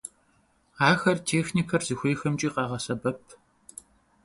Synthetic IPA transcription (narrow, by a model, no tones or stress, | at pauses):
aːxɐrtʰeːxnikʰɐrzɨxʷeːxɐmt͡ʃʼiːqɑːʁɐsɐbɐpʰ